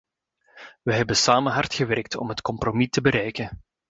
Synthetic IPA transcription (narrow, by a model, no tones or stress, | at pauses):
ʋəɦɛbənsaːmənɦɑrtxəʋɛrk̚tɔ̰mɦətkɔmpromitəbəɾɛjkən